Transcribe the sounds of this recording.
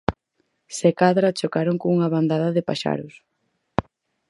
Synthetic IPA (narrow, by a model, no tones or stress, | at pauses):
sekaðɾat͡ʃokaɾoŋkouŋɐβand̪aðɐðɪpaʃa̰ɾʊs